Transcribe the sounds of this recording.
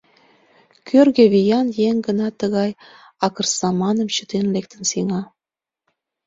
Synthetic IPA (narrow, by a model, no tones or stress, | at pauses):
kʰørɣĕβijɑnjeŋɡənɑt̪ːəɣɑj | ɑkərsɑmɑnə̆mt͡ɕət̪enlek̚t̪ə̆nsiŋɑ